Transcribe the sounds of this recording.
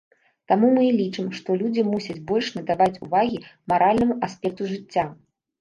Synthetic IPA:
t̪amumɨlʲit͡ʂɨmʂt̪ɔlʲud͡zʲimusʲɐd͡zʲbɔlʲʂnɐd̪avat͡sʲuvaɣʲimaɾalʲnɐmuʔasʲpʲɛk̚t̪uʐɨt͡sʲːa

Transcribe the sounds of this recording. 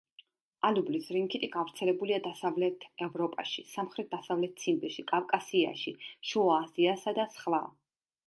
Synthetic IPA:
alublisɾiŋkʰit̪ʰʼiɡavɾt̪sʰɛlɛbuliad̪asavlɛt̪ʰɛvɾɔpʼa̰ʃisamχɾit̪̚d̪asavlɛt̪̚t̪sʰimbiʃikʼavkʼasia̰ʃiʃuaziasad̪asχlˠa

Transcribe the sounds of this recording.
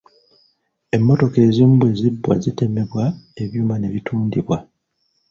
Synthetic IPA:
e̞mːo̞to̞ke̞ːziːmbwe̞ːzibːwa̰zite̞me̞βwae̞βjuːmane̞βitʰuːndiβwa

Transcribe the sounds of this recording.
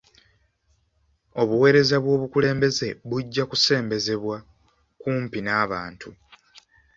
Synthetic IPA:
o̞βuwe̞ːɾe̞zaβwo̞ːβukule̞ːmbe̞ze̞βuɟːakuse̞ːmbe̞ze̞βwa | kuːmpinaːβaːntʰu

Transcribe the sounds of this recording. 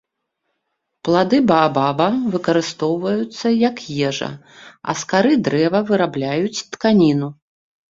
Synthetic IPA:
plˠad̪ɨbɐːbabɐvɨkɐɾɨst̪ɔwvɐjut̪sːɐjɐkjɛʐɐ̰ | ɐ̰skaɾɨd̪ɾɛvɐvɨɾablʲajut͡sʲt̪kanʲinu

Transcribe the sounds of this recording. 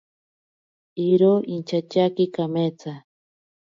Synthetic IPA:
iɾoint͡ʃat͡ʃakikamet͡sa

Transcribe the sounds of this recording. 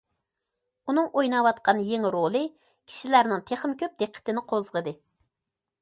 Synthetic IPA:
unɨŋojnɑwɑt̪qʰɑnjeŋɾolˠɨ | kʲʰi̥ʃilæɾnɪŋt̪ʰeχmkʲʰøp̚d̪eqʰːə̥t̪ɪnɪqʰozʁəd̪ɨ

